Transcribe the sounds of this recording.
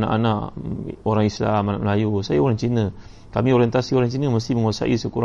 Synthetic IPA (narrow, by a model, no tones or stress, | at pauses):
na̰ʔanaʔoɾaŋisla̰manaʔməlajusajaoɾaŋt͡ʃinə | kamĩoɾiɛnt̪asioɾaŋt͡ʃinəməs̬t̪iməŋuasa̰ʔisəkuɾa